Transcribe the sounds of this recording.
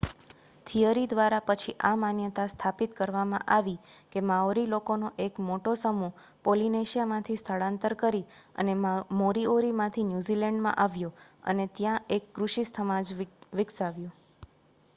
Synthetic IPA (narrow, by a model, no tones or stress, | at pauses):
t̪ʰijəɾid̪ʋaɾapət͡ʃʰiʔamanjət̪ast̪ʰapit̪kəɾʋamã̰ʔaʋikemaoɾilokonoʔekmoʈosəmu | polineʃijamãt̪ʰist̪ʰəɭãnt̪əɾkəɾiə̰nemoɾioɾimãt̪ʰinjuzilɛɳɖmã̰ʔaʋjoə̰net̪jãʔekːɾuʃist̪ʰəmãd͡ʒʋɪksaʋjo